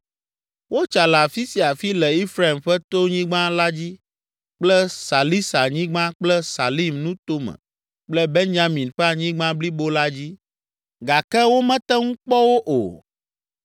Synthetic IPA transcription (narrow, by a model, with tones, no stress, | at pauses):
wo˦t͡ʃa˨la˨fi˦si˨a˨fi˦lɛ˨i˦fɾa˦˨i˨mɸɛ˦t̪o˦ɲĩ˦ɡ͡bã˦la˦d͡ʑi˦ | k͡plɛ˦sa˨li˦sa˨ɲĩ˦ɡ͡bã˦k͡plɛ˦sa˨li˦˨mnũ˦t̪o˦mɛ̰̃˨ | k͡plɛ˦be˦nd͡ʒa˦mĩ˨nɸɛ˦a˨ɲĩ˦ɡ͡bã˦bli˦bo˦la˦d͡ʑi˦ | ɡa˨kɛ˦wo˦mɛ̃˦t̪ɛ˦ŋũ˦k͡pɔ˦wo˦ʔo̰˨